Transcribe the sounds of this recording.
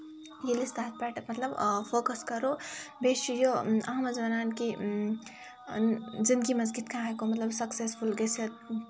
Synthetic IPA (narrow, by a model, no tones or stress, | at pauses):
jilist̪aːt̪̚ʰpɛʈɐmɐt̪ləbpʰoːkəskɐɾobeʃijoɐ̰ɦmɐd͡ʒɐnaːnki | d͡ʒinkimɐz̬ɡit̪kʰãɦekomɐt̪lɐbsɐksespʰulɡesʰet̪